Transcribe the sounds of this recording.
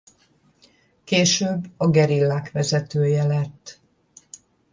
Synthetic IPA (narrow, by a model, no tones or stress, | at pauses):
keːʃøːbːɒɡɛɾilːaːkʋɛzɛt̪øːjɛlɛt̪ː